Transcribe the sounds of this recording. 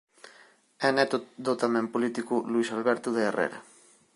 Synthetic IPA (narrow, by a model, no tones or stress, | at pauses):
enet̪d̪ot̪amempolit̪ikuluisalβeɾt̪uðeːrḛɾḛ